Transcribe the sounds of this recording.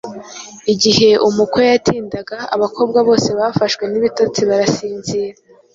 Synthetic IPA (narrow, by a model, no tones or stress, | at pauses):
iɟihe̞ʔumukwo̞jatʰiːndaɡaa̰βakʰo̞ːb̚ɡaβo̞ːse̞βafaʃkwe̞niβitot͡siβaɾasiːnziːɾa